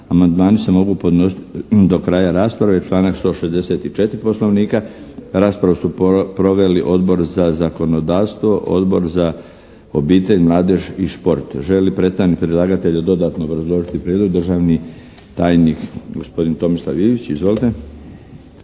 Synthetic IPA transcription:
amand̪maːnise̞mo̞ɡupod̪nosid̪o̞kɾaːjaɾaːspɾaʋet͡ʃlˠaːnakst̪o̞ʃe̞zd̪e̞se̞t̪it͡ʃe̞t̪ɾipo̞slˠo̞ʋniːkaɾaːspɾaʋusupɾo̞ʋe̞liʔo̞d̪bo̞ɾzazako̞no̞d̪aːʋst̪ʋo̞ʔo̞̰d̪bo̞̰ɾza | obiːt̪e̞ʎmlˠaːd̪eʒiʃpo̞ɾt̪ʒe̞lipɾe̞t̪st̪aʋnikpɾilˠaːɡat̪e̞ʎad̪o̞d̪aːt̪noːbɾazlˠo̞ʒit̪ipɾʲed̪lˠoɡd̪ɾrʒaːʋnit̪aːjnikɡo̞spo̞d̪int̪o̞mislˠaʋiːʋit͡ɕizʋolit̪e̞

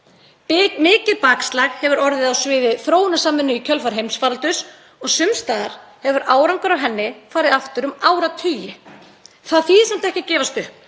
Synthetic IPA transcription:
mɪːcɪɾpaːkslaɣhɛvʏɾɔɾðɪðawsvɪːðɪθɾoːwnasaːmːɪnːʏicʰœlfaɾ̥ɦejmsfaɾlt̪ʏs | ɔɣsʏmst̪aːðaɾ̥hɛvʏɾʔaːwɾaŋkʏɾawɦɛnːɪfaːɾɪðaft̪ʏɾʏmaːwɾat̪ʰʏːjɪ | θaðfiːðɪsɛm̥t̪ɛhcɪcɛːvast̪ʏh

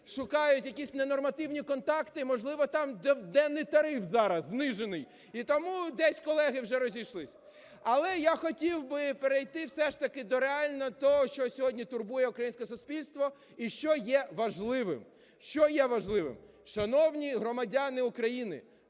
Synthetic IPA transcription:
ʃʊkɑjʊtʲjɐkʲisʲnenɔrmɐt̪ɪwnʲikɔnt̪ɑkt̪ɪmɔʒlˠɪʋɔt̪ɑmd̪ɛd̪ɛnːɪjt̪ɐɾɪfzɑɾɐzːnɪʒenɪj | it̪ɔmud̪ɛsʲkɔlˠɛɦɪwʒɛɾɔzʲijʃlˠɪsʲ | ɐlˠɛjaxɔtʲiwbɪpeɾejt̪ɪwsɛʃt̪ɐkɪd̪ɔɾeɑlʲnɔɔt̪ɔɦɔʃt͡ʃɔsʲɔɦɔdʲnʲit̪ʊrbujɛukɾɐjinsʲkɛsʊspʲilʲst̪ʋɔ | iʃt͡ʃɔjɛʋɐʒlˠɪʋɪ̰m | ʃt͡ʃɔjɛʋɐʒlˠɪʋɪ̰m | ʃɐnɔwnʲiɦɾɔmɐdʲanɪʊkɾɐjinɪ̰

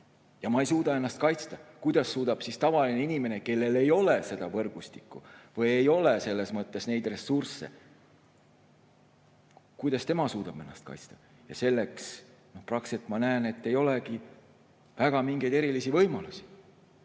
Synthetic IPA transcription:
jɑmɑejsuːd̪̥ɑe̞nːɑst̪̚kɑjt̪st̪ɑkujd̪̥ɑsːuːd̪̥ɑb̥sist̪ɑvɑlineinime̞ne̞ke̞lːe̞le̞jo̞le̞se̞d̪ɑvɤ̞rɡ̥ust̪ikːˑṵvɤjejo̞lese̞lːe̞smɤt̪ːe̞sne̞jd̪̥re̞sursːḛ | kujd̪̥ɑst̪e̞mɑsuːd̪̥ɑb̥e̞nːɑ̰st̪kɑ̰jt̪st̪ɑ̥ | jɑ̰se̞lːe̞ks | no̞hprɑkset̪mɑnæene̞t̪ːe̞jo̞le̞ki | væɡ̥ɑmiŋɡe̞jd̪e̞ɾilisivɤ̞jmɑlusi̥

